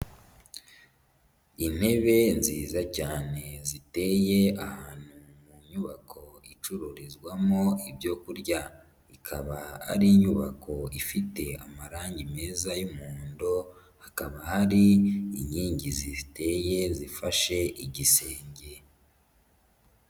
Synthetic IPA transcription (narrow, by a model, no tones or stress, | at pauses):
in̥he̞βe̞nziːzacaːne̞zite̞je̞ahaaːn̥hu | muɲuβakʰo̞it͡ʃuɾoɾezɡwamo̞ibjo̞kuɾɟa | ikʰaβaa̰ɾiɲuβa̰kʰo̞ifite̞amaɾaːɲɟime̞ːzajumuːndo | hakaβahaɾiːɲiːɲɟizite̞je̞zifaʃe̞ʔiɟise̞ːɲɟe̞